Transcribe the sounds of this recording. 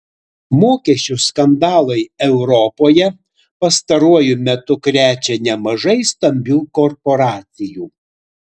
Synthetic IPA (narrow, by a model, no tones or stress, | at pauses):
moːkʲɛʃʲt͡ʃʲʊskɐnd̪ɑːlˠɐɪɛʊɾɔpoːjɛ | pɐst̪ɐɾuɔjʊmʲɛt̪ʊkɾʲæːt͡ʃʲɛnʲɛmɐʒɐɪst̪ɐmʲbʲuːkɔɾpɔɾɑːt̪sʲɪjuː